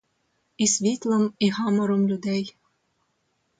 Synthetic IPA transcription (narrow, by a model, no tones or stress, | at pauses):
isvʲit̪lˠəmihɑmoɾomlʲud̪æj